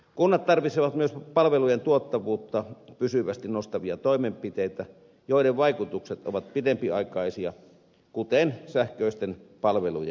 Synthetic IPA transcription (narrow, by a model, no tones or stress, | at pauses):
kunːɑt̪t̪ɑrʋit̪seʋɑt̪myøspɑlʋelujent̪uot̪ːɑʋuːt̪ːɑpysyʋæst̪innost̪ɑʋiɑt̪oˑimempit̪eit̪æ | joˑideʋʋɑikut̪ukset̪ʔo̰ʋɑt̪̚pit̪empiɑikɑˑisiɑ | kut̪ensæhkøˑist̪enpɑlʋelujɑ̰